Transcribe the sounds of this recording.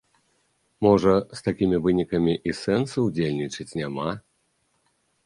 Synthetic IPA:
mɔʐɐst̪akʲimʲivɨnʲikɐmʲiʔisɛnsɐwd͡zʲelʲnʲit͡ʂɨt͡sʲnʲama

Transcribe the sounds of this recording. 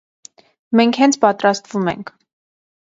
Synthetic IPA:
mɛŋkʰhɛnt͡sʰpɑt̪ɾɑst̪vumɛ̰ŋkʰ

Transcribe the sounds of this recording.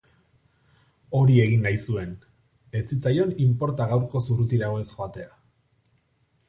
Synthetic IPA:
o̞ɾie̞ɣinːajsue̞n | e̞t͡sit͡sajo̞nimpo̞ɾt̪aɣawɾko̞surut̪iɾaoe̞sxoat̪e̞a

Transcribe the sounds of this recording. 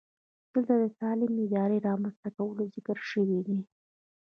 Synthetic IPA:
d̪̥əlt̪ad̪ət̪ɑlɪmɪd̪ɑɾiɾɑmanst̪akawəlozɪkəɾʃəwid̪i

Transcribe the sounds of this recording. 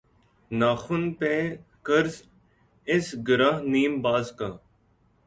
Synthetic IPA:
naːxʊnpẽːkəɾz | ɪsɡəɾaɦniːmbaːzkaː

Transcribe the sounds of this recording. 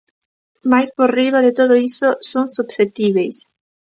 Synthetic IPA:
majsporiβaðet̪oðoisosoŋsubset̪iβejs

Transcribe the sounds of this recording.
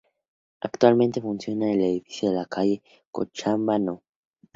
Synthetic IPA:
a̰kt̪walment̪efunsjo̞naeleðifi̥sjoðelakʰaʝe | ko̰t͡ʃambano

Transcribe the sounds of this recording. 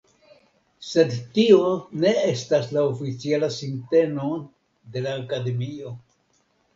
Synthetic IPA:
se̞dtio̞ne̞e̞staslaofit͡sialasinte̞no̞ | de̞laːkade̞mio̞

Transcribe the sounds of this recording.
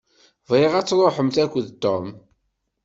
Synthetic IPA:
vʁeʁæt͡sːɾˤoħəmθækʷːðt̪ːom

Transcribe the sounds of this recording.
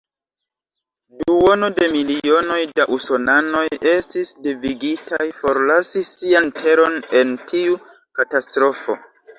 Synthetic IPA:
duo̞no̞de̞milio̞no̞jdaʔusonano̞je̞stisdiviɡitʰajfo̞ɾlasisiantʰe̞ɾo̞ne̞ntiu | katastɾo̞fo̞̰

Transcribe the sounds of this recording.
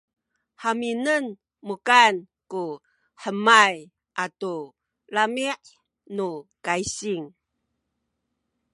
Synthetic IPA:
ħaminən | mukan | ku | ħəmaj | ʔatu | lamiʔ | nukaisiŋ

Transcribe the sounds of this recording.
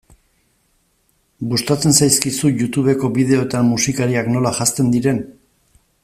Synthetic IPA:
bust̪at͡se̞nsajskisuʝut̪uβe̞ko̞βiðe̞o̞t̪ammusikaɾiakno̞laʝast̪e̞nd̪iɾe̞n

